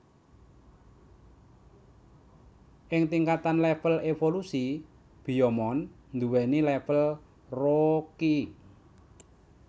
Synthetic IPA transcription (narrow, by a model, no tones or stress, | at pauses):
ʔɪŋt̪iŋkat̪anlɛfəlefolusi | b̥i̤jɔmɔn | nd̪uwɛnilɛfəl | roki